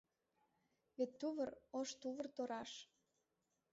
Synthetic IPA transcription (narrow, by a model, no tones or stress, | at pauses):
βet̪ːuβəroʃt̪uβərt̪oɾɑʃ